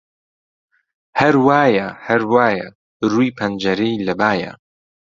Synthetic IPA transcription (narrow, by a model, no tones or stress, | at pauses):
hɐɾwaːjɐhɐɾwaːjɐ | ruːjpʰɐnd͡ʒɐɾeilɐbaːjɐ̰